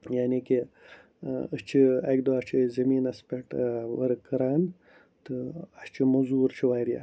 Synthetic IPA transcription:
jaːniki | əst͡ʃʰiaɡd̪oat͡ʃʰizɐmiːnɐspeʈʋɐ̰ɾkɐɾaːn | t̪ɨast͡ʃʰimɐzuːɾt͡ʃʰiʋaːɾia̰

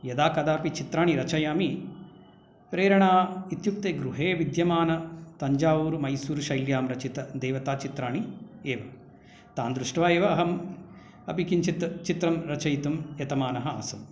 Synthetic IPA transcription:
jɐd̪aːkɐd̪aːpit͡ʃit̪ɾaːɳiɾɐt͡ʃɐjaːmi | pɾeːɾɐɳaːit̪juk̚t̪eːɡɾuɦeːʋid̪jɐmaːnɐt̪ɐɲd͡ʒaːuːɾumɐjsuːɾuʃɐjljaːmɾɐt͡ʃit̪ɐd̪eːʋɐt̪aːt͡ʃit̪ɾaːɳieːʋɐ | t̪aːnd̪ɾuʂʈʋaːeːʋɐɦɐm | ɐpikiɲt͡ʃit̪ɐt͡ʃit̪ɾɐmɾɐt͡ʃɐjt̪umjɐt̪ɐmaːnɐɦɐa̰ːsɐm

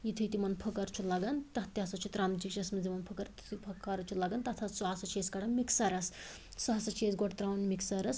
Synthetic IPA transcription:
jit̪ʰit̪imɐnpʰɐkɐɾt͡ʃʰulaɡɐnt̪ɐɦt̪jasɐt͡ʃʰut̪ɾaːmd͡ʒikt͡ʃʰɐsmɐd͡zimɐnpʰɐkɐɾt̪t̪ʰipʰɐkɐɾt͡ʃʰulaɡɐnt̪ɐt̪ʰɐt̪suɐsɐt͡ʃʰeːskɐɽɐnmiksɐɾɐs | sɐɦɐsɐt͡ʃʰeːsɡoʈt̪ɾaːʋɐnmiksɐɾɐs

